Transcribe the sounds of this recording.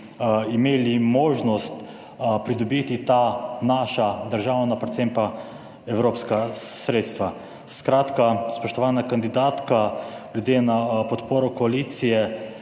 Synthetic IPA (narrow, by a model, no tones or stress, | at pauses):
imeːlimoːʒnɔst̪ | pɾid̪ɔbiːt̪it̪anaːʃad̪əɾʒawnapɾɛt̪sempa | ɛwɾoːpskasɾeːt̪st̪ʋa | skɾaːt̪kaspɔʃt̪ɔʋaːnakand̪id̪aːt̪kaljud̪jeːnapɔt̪poːɾɔkɔaliːt̪sijɛ